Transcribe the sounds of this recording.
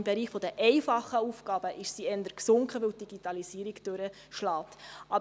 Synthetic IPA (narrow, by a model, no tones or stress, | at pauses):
mbɛɾiːχfɔd̪əʔɛɪfɑχəufɡɑːb̥əʔɪʃsiɛnd̪əɾksʊŋkχəʋɪwt̚d̥iɡ̥itɑlisiːəɾikd̥øɾə | ʃlɑːt̪ʔɑ